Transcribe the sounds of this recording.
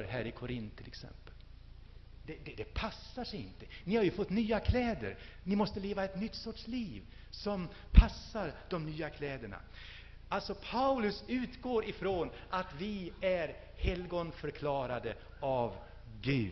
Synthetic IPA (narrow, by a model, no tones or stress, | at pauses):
ɾɦæːɾɪkʰʊɾɪnt̪ʰːɪlɛ̰ksɛ̰mpəl | d̪ɛd̪ɛd̪ɛpʰasːaʂɛɪ̰nt̪ənɪhaɾjɵfɔt̪ːnyːakʰlɛːd̪ə̰ɾnɪmɔst̪əleːvaɛt̪nʏt̪ːsɔʈʂliːv | sɔm | pʰasːaɾd̪ɔmnyːakʰlɛːd̪əɳa̰ | alt̪sɔpʰaʉlɵsʉ̟ːt̪ɡoːɾɪfɾoːn | ʔat̪vɪæɾ | hɛlɡɔnfœɾkʰlɑːɾad̪ə | av | ɡʉ̟ː